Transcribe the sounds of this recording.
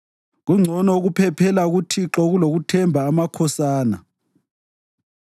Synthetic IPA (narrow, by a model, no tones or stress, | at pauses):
ɣuŋ͡ǀʱɔnɔɣupʰɛpʰɛlaɣutʰiǁɔɣuloɣutʰɛmbʱaːmakʰɔsaːna̰